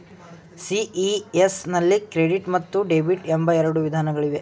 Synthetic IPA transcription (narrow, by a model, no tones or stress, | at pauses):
siiesnɐlːikɾeɖiʈmɐt̪ːuɖebiʈembɐɛɾɐɽuʋid̪ʱaːnɐɡɐɭiʋe̞